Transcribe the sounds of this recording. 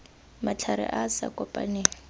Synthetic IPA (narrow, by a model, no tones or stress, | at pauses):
mat͡ɬʰaɾɪ̰ʔasa̰kʼɔpʼa̰ne